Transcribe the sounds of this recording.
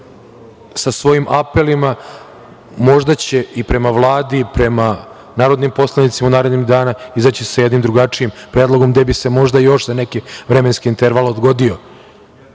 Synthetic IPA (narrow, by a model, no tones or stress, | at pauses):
sasʋo̞jimʔape̞lima | mo̞ʒd̪at͡ɕe̞ipɾe̞maʋlˠaːd̪ipɾe̞ma | naːɾo̞d̪nimpo̞slˠanit̪simaunaːɾed̪niɣd̪aːnaizat͡ɕisajed̪nimd̪ɾuɡat͡ʂiimpɾeːd̪lˠo̞ɡo̞md̪ebise̞mo̞ʒd̪ajo̞ʂzane̞kiʋɾeme̞nskiint̪eɾʋalˠod̪ɡo̞d̪io̞